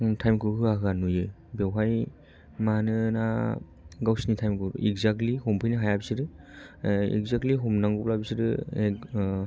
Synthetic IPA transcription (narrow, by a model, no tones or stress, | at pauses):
tʰajmkɯɦɯaɦɯanujɯ | bewɦaj | manɯna | ɡawsnitʰajmkɯiɡzak̚lihɔmpʰɯjnɯɦajabisiɾɯ | ḭɡzak̚tliɦɔmnaŋɡublabisiɾɯe